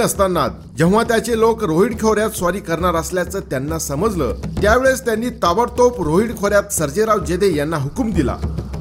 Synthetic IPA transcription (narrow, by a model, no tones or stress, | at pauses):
əst̪anːa̰t̪̚ | d͡ʑə̃w̃ʋat̪jat͡selokɾoɦiɽkʰewɾjat̪sʋaɾiːkəɾɳaɾasljat͡səːt̪janːasəməd͡zlə̰ːt̪jaʋeɭest̪janːiːt̪aʋəɾt̪opɾoɦiɽkʰoɾjat̪səɾd͡ʑeɾaʋd͡ʑed̪ejanːaɦukumd̪ila̰